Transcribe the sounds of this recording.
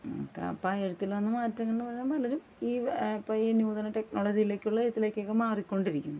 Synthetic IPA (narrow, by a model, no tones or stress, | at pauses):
o̰kːḛɐ̰pːeɻut̪ːilʋɐnːɨmaːtːɐŋːenːɨpɐrɐjaːnpɐlɐɾum | iːipːojinjuːðɐnɐʈe̞knoːɭɐd͡ʑijile̞ːkʲːuɭːɐeɻut̪ːile̞ːkʲːokːemaːrikʲːo̞ɳɖiɾikʲːunːu